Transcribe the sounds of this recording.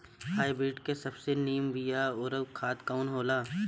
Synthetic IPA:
haːibiːʈkesɐbseniːəmbijaɔɾəbkʰaːt̪kaʊnɦoːlaː

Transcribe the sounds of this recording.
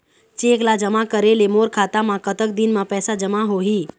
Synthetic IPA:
t͡ʃeklad͡ʒəmakəɾelemoɾkʰat̪amãkət̪ək̚d̪inmãpɛːsad͡ʒəmaɦoɦi

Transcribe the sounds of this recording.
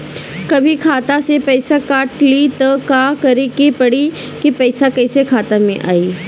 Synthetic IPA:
kɐbʱikʰaːt̪asepɐɪsakaːʈlit̪ɐkakɐɾekepɐɽi | kipɐɪsakɐɪsekʰaːt̪amẽʔaːiː

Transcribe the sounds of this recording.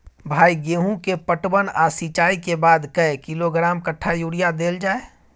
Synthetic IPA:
bʱaːiɡeːɦũkepəʈbənaːsit͡ʃaːikebaːd̪kɐekɪloɡɾaːmkəʈʰːajuːɽijad̪eːld͡ʒaːe

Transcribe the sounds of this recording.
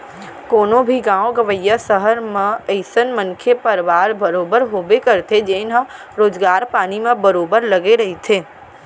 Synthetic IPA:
koːnõbʱiɡãːõɡəʋəjːasəɦəɾmẽəɪsənmə̃nkʰepəɾʋaːɾbəɾoːbəɾɦoːbekəɾt̪ʰed͡ʒeɪnɦə̃ | ɾoːd͡ʒɡaːɾpaːnimẽbəɾoːbəɾlɐɡeɾɐɦet̪ʰeː

